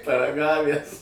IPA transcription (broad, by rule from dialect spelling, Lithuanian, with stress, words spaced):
pɐrɐˈɡɑːʋʲæs